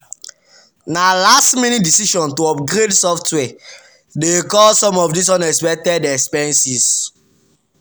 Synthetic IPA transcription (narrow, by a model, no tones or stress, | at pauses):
nalastmenidisiʃɔ̃ntoɔpɡɾedsɔftwɛ | dekɔlsɔ̃mɔfdis̬ɔ̃nɛspɛtɛdɛkspɛ̃nsis